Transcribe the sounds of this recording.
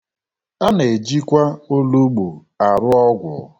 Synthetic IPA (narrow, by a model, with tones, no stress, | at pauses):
a˦ne˨d͡ʒi˦kʷa˦o˦lu˦ɡ͡bu˨ | a˨ɾʊ˦ɔ˦ɡʷʊ̰˨˦